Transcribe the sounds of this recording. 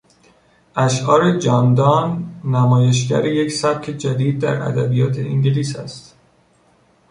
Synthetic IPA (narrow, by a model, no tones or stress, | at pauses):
ʔæʃʔɒːɾed͡ʒɒːnd̪ɒːnːæmɒːje̞ʃ̬ɟæ̰ɾeje̞csæb̚cʰe̞d͡ʒæd̪iːd̪̚ːæ̰ɾæ̰d̪æ̰bijɒːt̪ʰe̞ʔiŋɟeliːsæst̪